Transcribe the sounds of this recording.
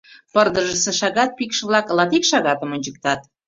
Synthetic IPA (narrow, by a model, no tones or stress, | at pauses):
pərd̪əʒəsə̆ʃɑɣɑt̪̚pikʃəβlɑklɑt̪ikʃɑɣɑt̪əmŏnʲt͡ɕək̚t̪ɑt̪̚